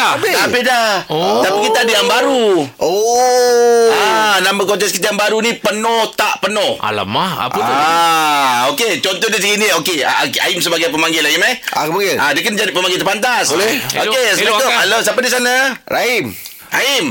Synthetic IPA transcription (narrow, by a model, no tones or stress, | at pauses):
b̪apedaht̪apikit̪aːdəjaŋbaɾuʔo | anamakot͡ʃɛskit̪ajaŋbaɾunĩpənɔht̪aʔpənɔha̰la̰maa̰a | oket͡ʃɔnt̪ɔhdas̬əɡiniokea̰ka̰imsəbaɡajpəmaŋɡɪlaimɛhakəmaŋɡɪladiəkənad͡ʒadipəmãŋɡɪlt̪ərpant̪aslokesəmekoalosapadis̬anaɾaim | aim